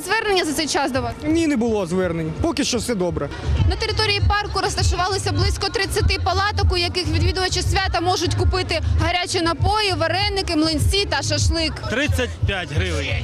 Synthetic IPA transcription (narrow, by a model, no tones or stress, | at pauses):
zʋɛrnenʲːɐzɐt̪sɛjt͡ʃɑsd̪ɔʋɑnʲinɛbʊlˠɔzʋɛrnenʲːɐpɔkɪʃt͡ʃɔwsɛd̪ɔbɾɐ | nɐt̪eɾɪt̪ɔɾʲijipɑrkʊɾɔst̪ɐʃʊʋɑlˠɪsʲɐblˠɪsʲkɔt̪ɾɪt͡sʲːɐt̪ɪpɐlˠɑt̪ɔkʊjɐkɪxʋʲid̪ʋʲid̪ʊʋɐt͡ʃɪsʲʋʲat̪ɐmɔʒʊtʲkʊpɪt̪ɪɦɐɾʲat͡ʃɪnɐpɔjɪʋɐɾɛnːɪkɪmlˠɪnʲsʲit̪ɐʃɐʃlˠɪkt̪ɾɪt͡sʲːɐt̚ʲpʲjatʲɦɾɪʋɪjʲ